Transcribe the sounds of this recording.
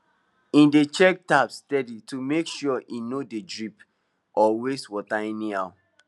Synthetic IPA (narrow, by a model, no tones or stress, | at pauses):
ĩndet͡ʃɛk̚tapstɛditumekʃɔʔinodedɹip | ɔweswɔtainĩaʊ